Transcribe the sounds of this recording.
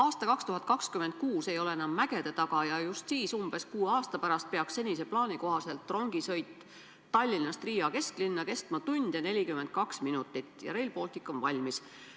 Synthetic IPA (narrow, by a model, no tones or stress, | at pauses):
ɑːst̪ɑkɑkst̪uhɦɑt̪̚ˑkɑkskymed̪̚kuːse̞jo̞le̞enɑmːæɡ̥e̞d̪̥e̞t̪ɑɡɑjɑjust̪siːsumb̥e̞skuːɑːst̪ɑpæɾɑst̪̚pe̞ɑksse̞nʲise̞plɑːnʲiko̞ɦɑse̞lt̪ˑːro̞ŋɡ̥isɤ̞jt̪ˑː | ɑlʲːinɑst̪riːɑke̞sklinːɑke̞st̪mɑt̪unʲd̪̥jɑne̞lʲikymed̪̥̚kɑksminut̪ːˑit̪ːjɑ̰ɾe̞lpo̞ːlt̪ˑikːˑo̞nvɑlʲmis